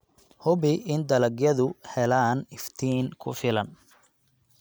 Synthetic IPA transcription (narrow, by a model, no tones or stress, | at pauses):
hʊβɪɪnd̪ɐlɐɡjɐðʊhɛlaːnɪft̪ʰiːnkʰʊ̰fɪlɐn